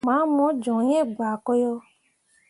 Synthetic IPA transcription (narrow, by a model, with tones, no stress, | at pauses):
mã˨˦mɔ̃˨˦d͡ʒɔ̃˨ɲɛ̃˦˨ɡ͡ba˨kɔ˦jɔ˧